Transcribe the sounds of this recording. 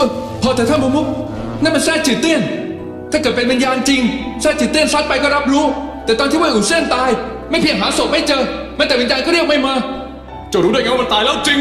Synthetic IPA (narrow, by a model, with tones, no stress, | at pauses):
ʔə˧˩ | pʰɔː˧t̪ɛː˨˩t̪ʰaː˥˩mo˧mu˦˥k̚ | naː˦˥˩ma˧nsɛː˧˩t͡ɕi˨˩t̪i˥˩ən | t̪ʰaː˥˩kɤː˨˩t̪̚pe˧nwi˧njaː˧nt͡ɕi˧ŋsɛː˥˩t͡ɕiː˨˩t̪ːi˥˩ənsa˦˥t̪̚pa˧jkɔː˥˩ɾa˦˥p̚ɾuː˦˥t̪ɛː˨˩t̪ɔː˧nt̪i˥˩waː˥˧˩ʔuː˨˩si˧˥˩ənt̪aː˧j | ma˥˩jpʰi˧əŋɦaː˩˦so˨˩t̪̚ma˥˩jt͡ɕɤː˧ | ma˦˥t̪ɛː˨˩wi˧˦njaː˧nkɔː˥˩ɾi˥˩ək̚ma˥˩jmaː˧ | t͡ɕo˧˩ɾuː˧˦˥du˥˩jka˧˦wm˧t̪aː˧jlɛː˦˥wt͡ɕi˧ŋ